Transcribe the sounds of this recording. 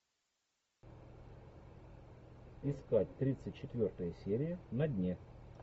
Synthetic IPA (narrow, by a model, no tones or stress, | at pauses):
ɪskat̚ʲt̪ɾʲit̪sɨtʲt͡ɕːɪt̪vʲo̞rt̪əjəsʲeɾʲɪjənɐdʲnʲe